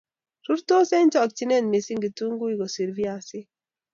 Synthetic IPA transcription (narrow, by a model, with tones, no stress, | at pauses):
ɾu˦ɾto˦se˦nt͡ʃɔ˦˨k̚t͡ʃi˦ne˦˨nme˨si˦ŋɡi˨tu˦ŋɡu˦i˦ɡo˨si˨ɾvi˦a˨sɪ˦